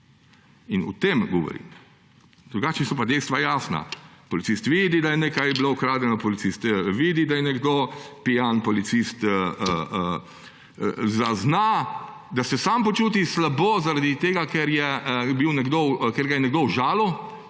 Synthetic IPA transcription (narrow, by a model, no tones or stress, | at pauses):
inṵt̪emɡɔʋɔ̰ɾḭm | d̪ɾuɡaːt͡ʃnisɔp̬ad̪ɛjst̪ʋajaːsna̰pɔlitsist̪ʋiːd̪id̪ajɛnɛkajbloʊkɾaːd̪lʲɛnɔpɔlit̪sist̪ʋiːd̪id̪ajɛnɛɡd̪opijanpɔlit̪sist̪əə | zazna | d̪asɛsampɔt͡ʃuːt̪̬islabozaɾad̪it̪eːɡakɛɾjɛbiwnɛɡd̪okeɾɡajɛnɛɡ̚d̪owʒaːlɔ